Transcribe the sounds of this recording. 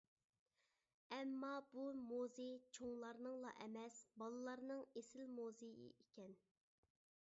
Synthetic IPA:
ɛmːɑbumozɪt͡ʃʰoŋlˠɑɾnɨŋlˠɑ̰ʔɛmɛsbɑlˠɨlˠɑɾnɨŋesɪlmozejɪ̰ʔikʲɛn

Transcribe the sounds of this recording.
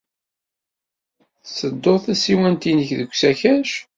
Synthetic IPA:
θsəd̪ːoˤθæsiwænt̪inəçðəɡʷsæçæʃ

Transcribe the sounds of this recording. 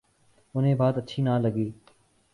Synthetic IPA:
ʊnẽːbaːt̪ətːt͡ʃʰiːnaːləɡiː

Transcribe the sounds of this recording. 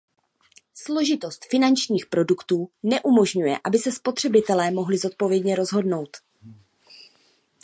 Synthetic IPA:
slo̞ʒɪt̪o̞st̪fɪnant͡ʃɲiːxpɾo̞dukt̪uːnɛʔumo̞ʒɲujɛ̰ʔabɪsɛspo̞t̪r̝̥ɛbɪt̪ɛlɛːmo̞ɦlɪzo̞t̪̚po̞vjɛdɲɛɾo̞zɦo̞dno̞wt̪

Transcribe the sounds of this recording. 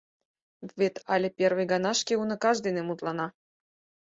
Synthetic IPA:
vet̪ʰɑlʲĕpʲervɨjɡɑnɑʃkeunə̆kɑʒd̪enemut̪lɑnɑ

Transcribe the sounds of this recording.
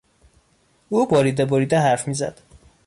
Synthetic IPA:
uːbɒɾiːd̪eboɾiːd̪æɦæɾfmiːzæ̰d̪̥

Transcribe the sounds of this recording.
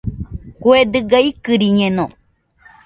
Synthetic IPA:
kued̪ɨɡaikɨɾiɲẽnõ

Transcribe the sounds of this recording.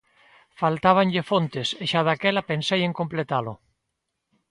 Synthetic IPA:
falt̪aβ̞aɲʎefont̪eseʃaðakɛlapensejeŋkomplet̪alo

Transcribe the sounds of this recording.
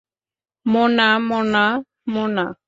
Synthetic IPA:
mɔnamɔna | mɔna

